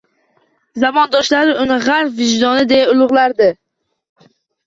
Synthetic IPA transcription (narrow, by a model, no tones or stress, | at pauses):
zabɒnd̪ɒʃlaɾɪʊnɪʁaɾfvɪʒd̪ɒnɪd̪e̞jaʊlˠʊʁlˠaɾd̪ɪ